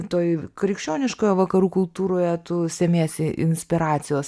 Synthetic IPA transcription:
t̪oːjkɾʲɪkʃʲt͡ʃʲoːnʲɪʃkoːjoːʋɐkɐɾuːkʊlˠt̪uːɾoːjɛt̪ʊsʲɛmʲeɛsʲɪʔɪ̰nʲsʲpʲɪɾɑːt͡s̪sʲɪjoːs

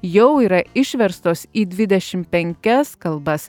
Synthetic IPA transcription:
jɛʊiːɾɐɪʃʲʋʲɛɾst̪oːsiːd̪ʲʋʲɪd̪ʲɛʃʲɪmpʲɛŋʲkʲɛskɐlˠbɐs

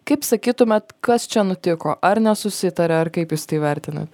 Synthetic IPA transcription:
kɐɪpsɐkʲiːt̪ʊmʲɛt̪kɐst͡ʃʲɛnʊt̪ʲɪkoːʔɐɾnʲɛsʊsʲɪt̪ɐɾʲɛɐɾkɐɪpjuːst̪ɐɪʋʲɛɾʲt̪ʲɪnɐ̰t̪ʲ

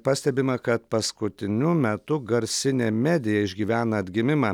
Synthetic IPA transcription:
pɑsʲt̪ʲɛbʲɪmɐkɐt̪pɐskʊt̪ʲɪnʲʊmʲɛt̪ʊɡɐɾʲsʲɪnʲeːmʲæːd̪ʲɪjɛɪʒʲɡʲiːʋʲæːnɐɐd̪ʲɡʲɪmʲɪmɐː

